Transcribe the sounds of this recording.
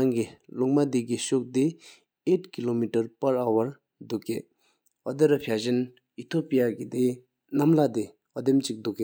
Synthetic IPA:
aŋkiluk̚mad̪ekiɕok̚d̪e | etkilomiʈɐɹpaɹawɐɹ | d̪uʔkːe | ɔd̪eɾapʰaʑən | it̪ʰopijakid̪e | namlad̪e | ɦɔd̪emt͡ɕik̚d̪uʔkːe

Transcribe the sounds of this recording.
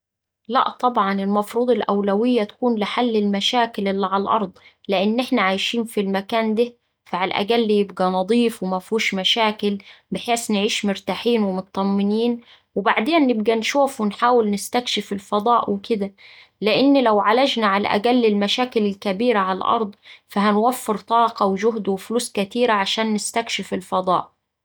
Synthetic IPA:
læ̰ʔt̪ˤɑbʕɑnɪlmɑfɾuːd̪ˤelʔæwlæwɪjːæt̪æ̥kuːnlɪħalːɪlmæʃæːkɪlʔɪlːiʕalælʔɑɾˤd̪ˤ | lɪʔɪnːʔɪħnæʕajʃiːnfilmækæːnd̪æ | fæʕalʔæ̰ɡælːjɪbɡænɑd̪ˤiːfwɪmæfuːʃmæʃæːkɪlbɪħeːsnʕiːʃmʊɾt̪aħiːnwemʊt̪ˤːɑmːɪniːn | wɪbaʕd̪eːnːɪb̚ɡænʃuːfwɪnħaːwɪlnɪst̪ækʃɪfɪlfɑd̪ˤɑːʔwɪkɪd̪æ | lɪʔɪnːlæwʕalæd͡ʒnaʕalæ̰ʔæ̰ɡælːɪlmæʃæːkɪlɪlkæbiːɾaʕalalʔɑ̰ɾˤd̪ˤfæɦænwæfːɪɾt̪ˤɑːqɑwɪd͡ʒʊɦd̪wɪfluːskæt̪iːɾaʕaʃæːnːɪst̪ækʃɪfɪlfɑd̪ˤɑ̰ːʔ

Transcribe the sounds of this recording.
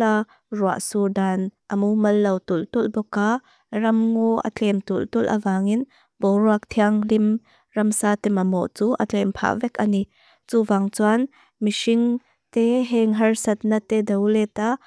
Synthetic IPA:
a | rua̰ʔsudaːnʔɐmumɐlːɐwt̪ult̪ulbɔka | rɐmŋɔʔɐ̰t͡ɬʰɛmt̪ult̪ulʔɐ̰vaːŋin | bɔwɾuak̚t̪ʰiaŋlim | rɐmsaːt̪ɛmamɔ̰ʔt͡suʔɐ̰t͡ɬʰɛmpʰa̰ʔvɛkani | t͡suvaŋt͡swan | misiŋ | t̪eɦɛŋɦɐrsɐt̪̚nat̪ɛdɐwlɛt̪a

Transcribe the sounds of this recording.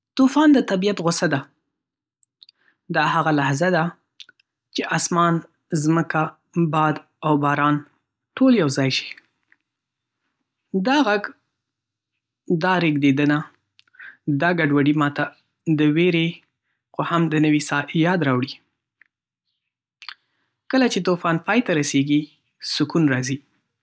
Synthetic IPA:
t̪ufɑnd̪ət̪abijat̪ɣʊsad̪a | d̪ɑhaɣalahzad̪a | t͡ʃeʔɑsmɑn | zməka | bɑd̪ | awbɑɾɑn | ʈoljawzɑjʃi̥ | d̪ɑɣaɡ | d̪ɑɾeɡd̪ed̪əna | d̪ɑɡaɖwaɖimɑt̪a | d̪əweɾe | qʊhamd̪ənəwisɑjɑd̪ɾɑwɽi | kəlat͡ʃet̪ofɑnpɑjt̪aɾaseɡi | sʊkunɾɑzi

